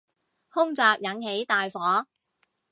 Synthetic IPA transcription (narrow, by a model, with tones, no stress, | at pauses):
hʊ˥ŋt͡saː˧k̚jɐ˨˥nhe˨˥jt̪aː˨jfɔː˨˥